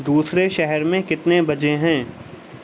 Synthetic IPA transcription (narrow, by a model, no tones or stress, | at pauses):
d̪uːsɾeʃɛɦɛɾmẽkɪt̪nebɐd͡ʒeɦɛ̃ː